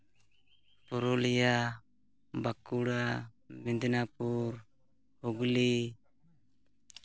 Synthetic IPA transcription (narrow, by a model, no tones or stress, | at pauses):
pɔɾɔlija | bakuɽa | mind̪napuɾ | huɡli